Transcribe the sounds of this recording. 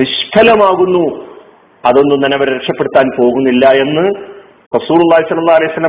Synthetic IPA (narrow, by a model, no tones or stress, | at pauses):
niʂʈʰɐlɐmaːɣunːu | ɐðo̞nːunːɐnɐʋɐɾɾekʂɐpːe̞ɽut̪ːaːnpo̞ːɣunːilːɐe̞nːɨ | rɐsuːlulˠːaːɦisɐlːɐlːaːhɐlɐjsɐlːɐ